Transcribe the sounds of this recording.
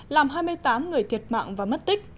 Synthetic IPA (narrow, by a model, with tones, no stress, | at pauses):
laː˨˩mɦaː˧jmɨ˧əjt̪aː˨˦mŋɨ˨˩əjt̪ʰi˨˩ət̚ma̰ː˧˨ŋvaː˨˩m˦˥t̚t̪ï˦˥k̟̚